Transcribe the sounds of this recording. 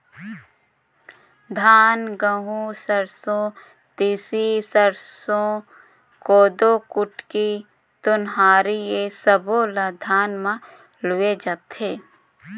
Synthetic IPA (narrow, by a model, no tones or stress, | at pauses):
d̪ʱaːnɡəɦũsəɾsõ | t̪iːsisəɾsõ | koːd̪okʊʈki | t̪ʊnɦaːɾiesəbolad̪ʱaːnmã | lʊed͡ʒat̪eː